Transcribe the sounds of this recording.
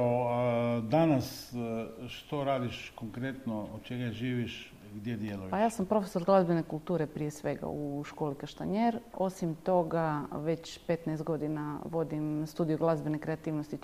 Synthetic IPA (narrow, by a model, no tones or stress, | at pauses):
o | d̪anas | ʃt̪oɾaːd̪iʃkoŋkɾet̪nood̪̚t͡ʃeɡaʒiːʋiʃ | ɡd̪jed̪jelujpajaːsampɾo̞feso̞ɾɡlˠazbenekulˠt̪uːɾe̞pɾijesʋe̞ɡa̰uʃko̞ːlikaʃt̪aɲeɾo̞simt̪o̞ɡaʋe̞t͡ɕpe̞t̪nɛest̪̚ɡo̞d̪inaʋo̞d̪imst̪uːd̪ijoɡlˠazbenekɾeat̪iːʋnost̪i